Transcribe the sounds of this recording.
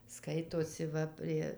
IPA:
ˈskɐɪtoːsʲɪ ˈʋɐ pʲrʲiɛ

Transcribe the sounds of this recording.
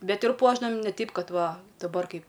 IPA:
ˈbʲɛt ɪr ˈpuɔʒdɐʋɐm ˈnʲɛ ˈtʲɛɪp ˈkɐt ˈʋɐ dɐˈbɐr ˈkɐɪp

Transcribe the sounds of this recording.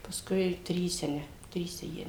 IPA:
pɐsˈkʊɪ ˈtʲrʲiːsʲɛ ˈnʲɛ ˈtʲrʲiːsʲɛ ˈjiɛ

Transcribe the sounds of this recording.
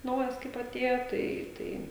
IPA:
ˈnɐʊjɛs kɐɪp ɐˈtʲeːjoː ˈtɐɪ ˈtɐɪ

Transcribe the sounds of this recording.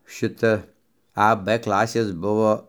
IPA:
ˈʃʲɪtɐ ɐ p ˈklˠɑːsʲeːs ˈbʊʋoː

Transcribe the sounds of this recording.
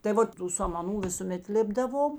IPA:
tɐɪ ˈʋoːt tuː sɐmɐˈnuː ʋʲɪsʊˈmʲɛt ˈlʲeːbdɐʋoːm

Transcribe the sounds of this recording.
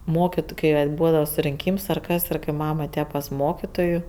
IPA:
ˈmoːkʲɪtʊ kɐɪ ˈʋɐt ˈbuːdɐʋɐ sʊrʲɪŋʲˈkʲiːms ɐr ˈkɐs ɪr kɐɪ ˈmɐm ɐˈtʲeːjɛ pɐs ˈmoːkʲiːtoːjuː

